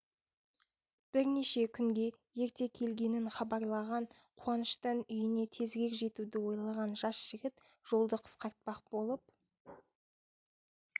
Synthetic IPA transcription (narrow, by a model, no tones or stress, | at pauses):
b̥ɪɾne̞ʃe̞kʲʰʏŋɡʲe̞ | je̞ɾt̪e̞kʲʰe̞lɡʲe̞nɪnχɑbɑɾlˠɑʁɑnqʰuɑnəʃt̪ənʏjɪne̞t̪ʰe̞zɡʲe̞kʒe̞t̪ud̪ɪwo̞jlˠɑʁɑnʒɑsʒ̥ɪɡʲɪt̪ʒ̥o̞lˠd̪əqʰə̥sqɑɾt̪̚pɑq̚b̥o̞lˠəp̚